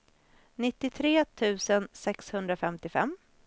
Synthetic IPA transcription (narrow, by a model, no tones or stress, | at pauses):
nɪt̪ːɪt̪ʰɾeːt̪ʰʉ̟ːsənsɛkshɵnd̪ɾafɛmt̪ɪfɛ̰mː